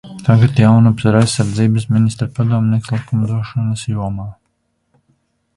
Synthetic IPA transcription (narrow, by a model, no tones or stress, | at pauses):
t̪aɡat̪jawnupsaɾajsːaɾd̪ziːbɨsminist̪ɾapad̪uɔmniɛkslˠikumd̪uɔʃɔnɐsjuɔmaː